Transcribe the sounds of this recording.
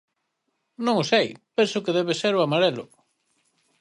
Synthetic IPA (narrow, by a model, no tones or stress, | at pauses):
nõŋosejpensʊkeðɛβeseɾoamaɾelʊ̰